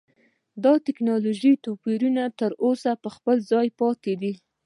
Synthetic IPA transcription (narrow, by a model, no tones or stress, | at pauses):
d̪ɑt̪ɪknɑloʒit̪opiɾunat̪əɾosapəxpəlzɑjpɑt̪ed̪i